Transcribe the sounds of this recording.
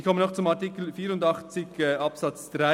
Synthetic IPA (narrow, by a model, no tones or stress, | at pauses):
çkʰɔmənɔxt͡sʊmɑtikl̩fiːɾʊndɑχt͡sɪɡɛɑpsɑt͡sd̥ʁa